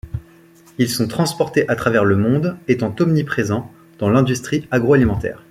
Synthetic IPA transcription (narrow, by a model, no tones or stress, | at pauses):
ilsɔ̃t̪χɑ̃spɔʁt̪eʔat̪χavɛʁləmɔ̃d̪et̪ɑ̃t̪ɔmnipχezɑ̃ | d̪̥ɑ̃lɛ̃d̪yst̪χiaɡʁoalimɑ̃t̪ɛ̰ːʁ